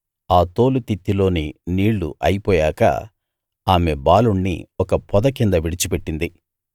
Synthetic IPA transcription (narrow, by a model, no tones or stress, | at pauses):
aːt̪oːlut̪it̪ːilo̞ːniniːɭːṵʔɐjipɔːjaːkɐ̰ | aːme̞baːluɳːḭɔkɐpɔd̪ɐkind̪ɐʋiɽit͡ʃupeʈːind̪i